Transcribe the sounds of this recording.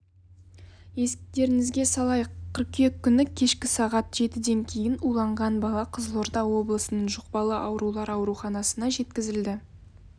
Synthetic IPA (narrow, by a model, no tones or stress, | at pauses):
je̞sɪk̚t̪e̞ɾɪŋɪzɡʲe̞sɑlˠɑjqʰːəɾqe̞kʲʰːʏnɪkʲʰe̞ʃkʲɪsɑʁɑt̪ʒ̥e̞t̪ɪd̪e̞ŋkʲʰe̞jɪnulˠɑɴʁɑnbɑlˠɑqʰəzəlˠoɾd̪ɑwo̞blˠəsənəɴʒoq̚pɑlˠəʔɑwɾulˠɑɾɑwɾuχɑnɑsənɑʒe̞t̪kʲɪzɪld̪ɪ